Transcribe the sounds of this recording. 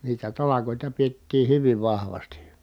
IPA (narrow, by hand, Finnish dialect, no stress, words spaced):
niːtæ tɑlɑkoˑitɑ pietːiː hyʋiʋ ʋɑhʋɑsti